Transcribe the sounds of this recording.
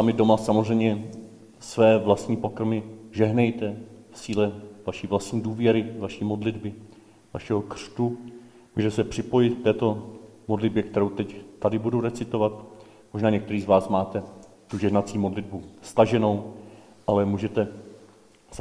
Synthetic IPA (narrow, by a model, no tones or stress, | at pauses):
samɪdo̞masamozr̝ɛjmɲɛ | svɛːvlast̪ɲiːpo̞kɾmɪʒɛɦnɛjt̪ɛfsiːlɛvaʃiːvlast̪ɲiːduːvjɛɾɪvaʃiːmo̞dlɪdbɪ | vaʃɛɦo̞kr̥t̪u | muːʒɛt̪ɛsɛpr̥ɪpo̞jɪt̪k̚t̪ɛːt̪o̞modlɪd̚bjɛkt̪ɛɾo̞wt̪ɛct̪adɪbudowɾɛt͡sɪt̪o̞vat̪ | moʒnaːɲɛkt̪ɛɾiːzvaːsmaːt̪ɛ | t̪uʒɛɦnat͡siːmo̞dlɪdbust̪aʒɛno̞w | ʔalɛmuːʒɛt̪ɛ | s